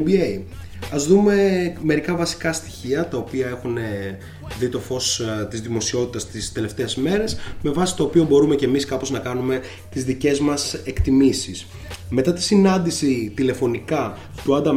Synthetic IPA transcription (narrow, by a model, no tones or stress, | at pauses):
biei | ɐzðume̞me̞ɾikɐvɐsi̥kɐst̪i̥çiɐt̪ɐo̞piɐe̞xune̞ | ðit̪o̞fo̞st̪izðimo̞sio̞t̪it̪ɐst̪ist̪e̞le̞ft̪e̞ːzme̞ɾe̞sme̞vɐsi̥t̪o̞ːpiobo̞ɾume̞ce̞miskɐpo̞znɐkɐnume̞ | t̪izðice̞zmɐse̞kt̪imisis | me̞t̪ɐt̪i̥sinɐnd̪isit̪ile̞fo̞nikɐ | t̪uɐnd̪ɐ